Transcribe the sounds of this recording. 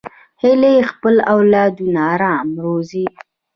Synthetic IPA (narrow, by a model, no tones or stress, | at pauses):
hɪlexpəlawlɑad̪unɑɾɑmɾozi